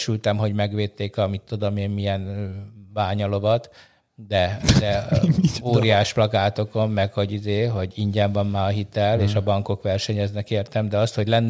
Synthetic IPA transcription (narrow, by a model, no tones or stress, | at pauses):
ʃylt̪ɛmɦo̞ɟmɛɡʋeːt̪ːeːkɒmit̪ːud̪o̞meːmmijɛnbaːɲɒlo̞vɒt̪ | d̪ɛd̪ɛ | oːɾijaːʃplɒkaːt̪o̞ko̞mːɛkho̞ɟizeːɦo̞ɟiɲɟɛɱvɒnːaːɒɦit̪ɛleːʃɒbɒŋko̞kʋɛrʃɛɲɛznɛkeːrt̪ɛmd̪ɛɒst̪ho̞ɟlɛnː